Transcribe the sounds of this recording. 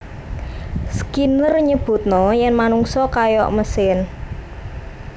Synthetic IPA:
skinərɲəb̥ṳt̪̚nɔjɛnmanuŋsɔkajɔ̰ʔməsɪn

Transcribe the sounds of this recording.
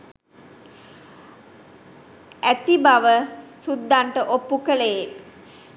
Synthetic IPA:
æt̪ibaʋəsud̪ːaɳʈəʔopːukələjel

